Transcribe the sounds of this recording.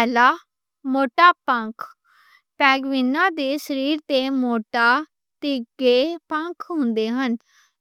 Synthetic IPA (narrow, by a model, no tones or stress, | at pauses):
ɛːlaː | moːʈaːpə̃ŋkʰ | pɛːɡʋɪnːãːd̪eːsəɾiːɾt̪eːmoːʈaː | t̪iɡeːpə̃ŋkʰɦʊ̃nd̪eːɦən